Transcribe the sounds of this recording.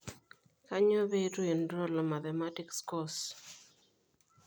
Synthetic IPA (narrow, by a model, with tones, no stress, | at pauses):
ka˦ɲo˦be˦du˦e˨ndɾɔ˦lɔ˨ma˨t̪ɛ˨ma˦tikskɔ˦s